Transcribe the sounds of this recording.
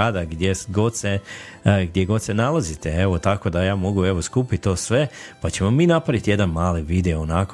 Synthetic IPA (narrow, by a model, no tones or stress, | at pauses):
ad̪aɡd̪jesɡo̞d̪se | ɡd̪jeɡo̞t̪senalˠazit̪ee̞ʋo̞t̪ako̞d̪ajaːmo̞ɡue̞ʋo̞skupit̪̚t̪o̞ːsʋe̞pat͡ɕe̞momiːnapɾaʋit̪je̞d̪anmaːliʋiːd̪eoːnako